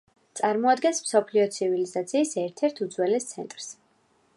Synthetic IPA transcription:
t̪sʼaɾmɔad̪ɡɛnsmsɔpʰliɔt̪sʰivilizat̪sʰiːsɛɾt̪ʰɛɾt̪ʰud̪zwɛlɛst̪sʰɛ̰nt̪ʼɾs

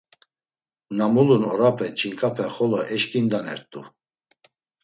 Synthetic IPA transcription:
namulunɔɾapʰɛt͡ʃʰʼiŋkʼapʰɛχɔlɔʔɛʃkʼind̪anɛ̰ɾt̪ʼu

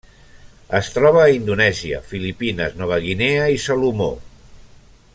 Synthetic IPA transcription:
əst̪ɾɔβ̞əːind̪unɛziə̰filipinə̰znɔβ̞əɣineəisalumo̰

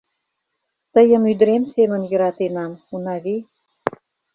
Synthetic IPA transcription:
t̪əjə̆myd̪ɾemsemə̆njə̆ɾɑt̪enɑmunɑβi

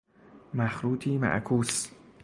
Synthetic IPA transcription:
mæxɾuːt̪ʰiːmæ̰ʔkʰuːs

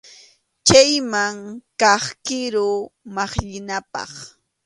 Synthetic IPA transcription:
t͡ʃajmaŋkɑχkɪɾʊmɑχʎɪnapɑ̰χ

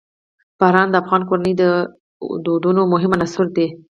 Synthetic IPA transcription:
b̥ɑɾɑnd̪əafɣɑnkoɾanəjd̪ə | d̪od̪unomʊɦɪmanasuɾd̪e

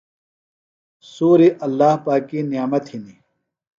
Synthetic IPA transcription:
suːɾiʔɐlːaːhpaːkːinijaːmɐt̪hini

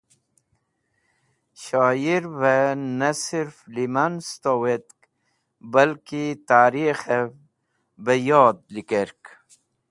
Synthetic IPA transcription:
ɕaːjiɾwenasiɾflimanst̪owet̪̚k | bɐlkit̪aːɾixe | bəjoːd̪̚likeɾk

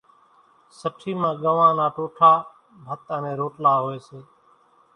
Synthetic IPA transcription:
səʈʰiːmãːɠəʋãːnaːʈoːʈʰaː | bʱət̪əːnẽːɾoːʈlaːɦoːeːseː

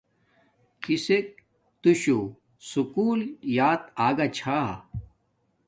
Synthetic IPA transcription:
kisek̚ | t̪uɕu | sukuːljaːt̪aːɡat͡ɕʰaɦ

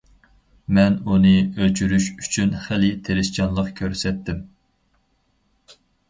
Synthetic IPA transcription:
mɛnunɨølt͡ʃʰyɾyʃy̥t͡ʃʰynχɛlɪt̪ʰeɾɪʃt͡ʃʰɑnlˠəqkʲʰøɾsɛt̪ʰːɪm

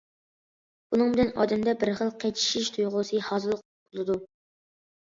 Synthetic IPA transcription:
bunɨŋbɪlɛnɑ̰ːd̪ɛmd̪ɛbɪɾχəlˠqʰɛt͡ʃʰi̥ʃiʃt̪ʰujʁʊsɨhɑːzɨlˠəq̚bolˠɨd̪u

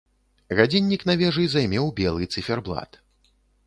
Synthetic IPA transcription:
ɣad͡zʲinʲːiknavʲɛʐɨjzajmʲɛwbʲɛlˠɨt̪sɨfʲɛrblˠa̰t̪

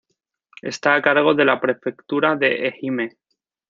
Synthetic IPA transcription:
e̞̰st̪aːkaɾɣ̞o̞ðe̞lapɾe̞fe̞kt̪uɾaðe̞ʔexime

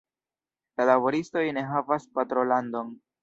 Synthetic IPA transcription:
lalabo̞ɾisto̞jne̞ɦavaspatɾo̞lando̞n

